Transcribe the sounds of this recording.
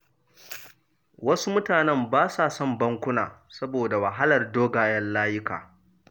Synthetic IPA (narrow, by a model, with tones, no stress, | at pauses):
wɐ˦su˦mʊ˦taː˨nɛ˦˨mbaː˦saː˨sɔ˦mbɐ˦ŋkʷʊ˦na̰ː˨sɐ˦boː˨da˨wɐ˨ɦa˦lɐ˨rdoː˦ɡaː˨jɐ˦nlaː˦jʊ˦ka̰ː˨